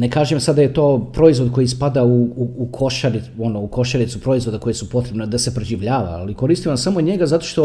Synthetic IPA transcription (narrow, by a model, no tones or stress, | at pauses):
nekaːʒemsad̪d̪ajet̪o̞ːpɾo̞izʋo̞d̪̚ko̞jispad̪auːkʰo̞ʃaɾio̞nouko̞ʃaɾit̪supɾo̞izʋo̞d̪ako̞jesupo̞t̪ɾe̞bned̪asepɾeʒiʋʎaːʋa̰ːliko̞ɾist̪iʋamsamoɲe̞ɡazat̪o̞ʃt̪o̞